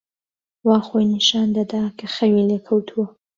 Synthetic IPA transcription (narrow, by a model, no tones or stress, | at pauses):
waːxojniʃaːnd̪ɐd̪akʰɐxɐwileːkʰɐwt̪ʰuwɐ